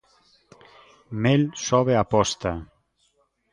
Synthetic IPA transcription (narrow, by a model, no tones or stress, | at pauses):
melsɔβeapɔst̪a